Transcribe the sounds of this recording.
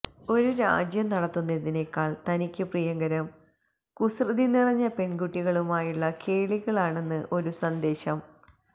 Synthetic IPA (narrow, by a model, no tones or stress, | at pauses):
o̞ɾuɾa̰ːd͡ʑjɐmnɐɽɐt̪ːunːeðine̞kːaːɭt̪ɐnikʲːɨprijɐŋɡɐɾɐm | kusrɨðinirɐɲːɐpe̞ɳɡuʈːiɣɐɭumaːjuɭːɐke̞ːɭiɣɐɭaːɳe̞nːɨʔo̞ɾusɐnd̪e̞ːɕɐm